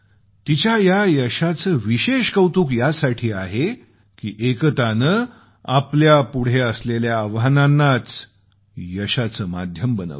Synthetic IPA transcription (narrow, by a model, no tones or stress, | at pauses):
t̪it͡ɕjajajəɕat͡səːʋiɕeɕkəwt̪uːkjasaʈʰiːaɦe | kḭːʔekt̪anə | apljapuɽ̤eəsleljaːʋɦananːat͡s | jəɕat͡səːmad̪ʱjəmbənə̰